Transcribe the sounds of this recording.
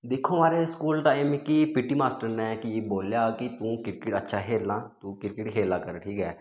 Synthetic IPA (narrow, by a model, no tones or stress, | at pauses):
d̪ɪkʰːoːɦmaːɾeskuːlt̪aːemekipɪʈːiːmaːsʈəɾnɛkɪeːboːljaːkɪt̪ũːkɪɾkɪʈətːʃʰaːɦeːlnaːt̪ũːkɪɾkɪʈɦeːlːaːkəɾʈʰiːkɦɛː